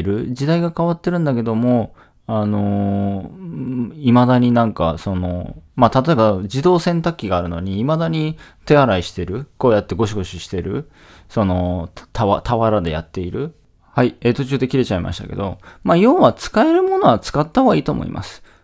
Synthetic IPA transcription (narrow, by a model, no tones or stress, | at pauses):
ɾɯ̟d͡ʑid̪aiɡakaβat̪ːe̞ɾɯ̟̃nd̪ake̞d̪o̞mo̞ | ano̞ | imad̪aɲ̟inãŋka̰so̞no̞̰mat̪at̪o̞e̞bad͡ʑid̪o̞ːsẽ̞nt̪akʲːiɡaːɾɯ̟no̞̰ɲ̟iːmad̪aɲ̟i | t̪e̞aɾaiɕi̥t̪e̞ɾɯ̟ko̞ːjat̪ːe̞ɡo̞ɕiɡo̞ɕiɕi̥t̪e̞ɾɯ̟ | so̞no̞t̪ʰaβat̪ʰaβaɾad̪e̞ja̰t̪ːe̞iɾɯ̟ | haiet̪o̞t͡ɕɨːd̪e̞kʲiɾe̞t͡ɕaima̰ɕi̥t̪a̰ke̞̰d̪o̞̰maːjo̞ːβat͡sɨ̥kae̞ɾɯ̟mo̞no̞βat͡sɨ̥kat̪ːaɦoɡaiːt̪oːmo̰ḭmʔa̰sɨ̥